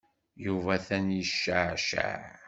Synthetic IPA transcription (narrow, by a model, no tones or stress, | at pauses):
juvæθænjəʃːəʕʃa̰ʕ